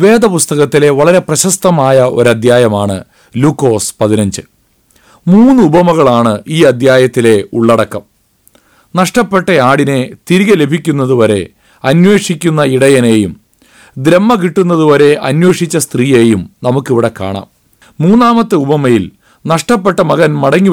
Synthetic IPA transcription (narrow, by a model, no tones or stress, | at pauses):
ʋe̞ːd̪ɐpust̪ɐɣɐt̪ːile̞ʋɐɭɐɾe̞prɐɕɐst̪ɐmaːjɐʔo̞̰ɾɐd̪ʱjaːjɐmaːɳɨ̰ | lukːo̞ːspɐðinɐɲd͡ʑɨ | muːnːɨubɐmɐɣɐɭaːɳɨʔiːɐd̪ʱjaːjɐt̪ːile̞ṵɭːɐɽɐkːɐm | nɐʂʈɐpːe̞ʈːɐaːɽine̞t̪iɾiɣɐle̞bʱikʲːunːɐðuʋɐɾe̞̰ | ɐnwe̞ːʂikʲːunːɐiɽɐjɐne̞ːjum | d̪ɾe̞mːɐk̬iʈːunːɐðuʋɐɾe̞ʔɐnwe̞ːʂit͡ɕːɐst̪riːeːjumnɐmukːiʋiɽekːa̰ːɳa̰ːmː | uːnːaːmɐt̪ːɨubɐmɐjil | nɐʂʈɐpːe̞ʈːɐmɐɣɐnmɐɽɐŋːi